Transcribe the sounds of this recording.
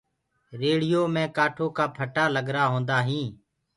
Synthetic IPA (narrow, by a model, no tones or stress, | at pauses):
ɾeːɽɪjoːmẽːkaːʈʰoːkaːpʰəʈaːləɡɾaːɦõːnd̪aːɦĩː